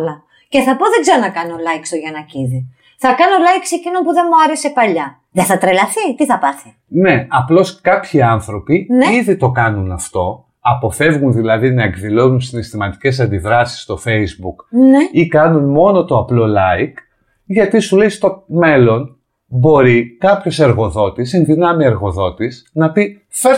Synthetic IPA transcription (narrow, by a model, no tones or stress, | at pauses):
lɐ | ce̞θɐpo̞ðe̞ɡzeɾonɐkɐnolɐjksoʝɐnɐciði | θɐkɐnolɐjkse̞cino̞mpuðe̞muɐɾe̞se̞pɐʎɐ | ðeθɐt̪ɾelɐθit̪iθɐpɐθi | ne̞ɐplo̞skɐpçiɐnθɾo̞piniðit̪o̞kɐnunɐft̪o̞ | ɐpo̞fe̞vɣunðilɐðinɐe̞kðilo̞nunsinest̪imɐt̪i̥ce̞s̬ɐnd̪iðɾɐsi̥st̪o̞fe̞izbuknikɐnunmo̞no̞t̪o̞ɐplo̞lɐik | ʝɐt̪isulejst̪o̞me̞lo̞n | bo̞ɾikɐpço̞se̞ɾɣo̞ðo̞t̪isenðinɐmieɾɣo̞ðo̞t̪isnɐpi | fe